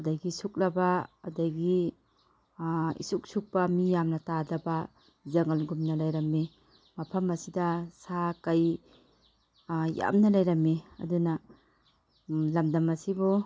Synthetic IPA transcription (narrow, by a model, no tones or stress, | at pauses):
ɐdaɡisuk̚lɐbaːdaɡi | ḭsuk̚suk̚pɐmijamnɐtadɐba | zɐŋɐlɡumnɐlajɾɐmːe | mɐpʰɐmɐsidasakaj | ja̰mnɐlajɾɐmːiɐ̰duna | lɐmdɐmɐsibu